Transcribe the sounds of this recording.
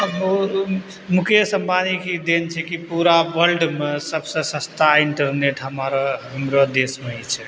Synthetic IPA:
əbo | mukʰesəmbanikid̪ent͡ʃʰɛkipuɾaʋəlɖmesəbsə̃sə̃st̪aiɳʈəɾneʈɦəmaɾɔɦɦəmɾod̪esmeɦit͡ʃʰɛ

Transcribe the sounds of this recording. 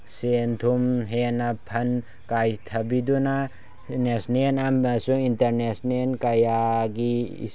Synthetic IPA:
sent̪ʰumɦenapʰɐn | kajt̪ʰɐbiduna | nesnenamasuintɐɾnesnenkajaɡḭ

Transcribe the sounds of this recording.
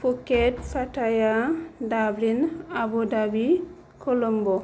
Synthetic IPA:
fukːetfatajadablinabudabi | kʰolɔmbɔ

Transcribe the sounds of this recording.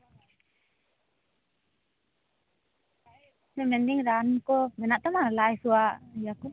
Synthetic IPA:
sɛmɛndiŋɾankɔmɛnaʔt̪amalaisuaʔjaku

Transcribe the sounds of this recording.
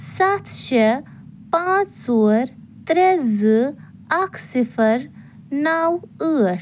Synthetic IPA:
sat̪ʰɕe | pãt͡ssoɾ | t̪ɾed͡zɨ | akʰsifəɾ | nawəʈ

